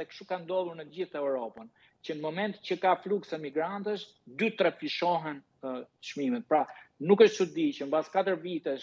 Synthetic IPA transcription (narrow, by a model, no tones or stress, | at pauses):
ɛkʃukand̪ɔðˠuɾnəɟiθɛwɾɔpən | t͡ɕənəmɔmɛnt̪cəkafluksɛmiɡɾant̪əʃ | d̪yt̪ɾɛpiʃɔɦɛn | ʃmimɛt̪̚pɾanukəʃt̪t͡ʃut̪̚d̪it͡ʃəmbaskat̪əɾvit̪ɛʃ